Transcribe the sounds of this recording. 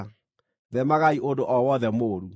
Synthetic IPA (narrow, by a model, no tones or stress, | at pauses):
ðɛmaɣaiʔondoʔɔwɔðɛmoːɾu